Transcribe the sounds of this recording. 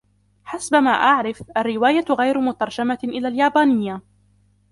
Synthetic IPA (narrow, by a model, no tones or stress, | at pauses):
ħasbama̰ːʔaʕɾɪfʔarːɪwaːjaɣajɾmʊt̪ɑɾˤd͡ʒamaʔɪlaːljaːbaːnɪjːa